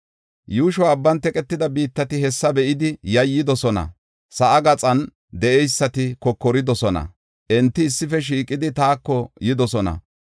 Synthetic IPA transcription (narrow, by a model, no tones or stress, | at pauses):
juːʃɔːbːɐnt̪ɛkʼɛt̪ːɪd̪ɐbiːt̪ːɐt̪ɪhɛsːɐbɛʔɪd̪ɪjɐjːɪd̪ɔsɔnɐ̰ | sɐʔɐɡɐt͡sʼɐn | d̪ɛʔɛjsːɐt̪ɪkɔkːɔɾɪd̪ɔsɔnɐ̰ | ʔɛnt̪ːɪːsːɪfɛʃ̬iːkʼːɪd̪ɪt̪aːkːɔjɪd̪ɔsɔnɐ̰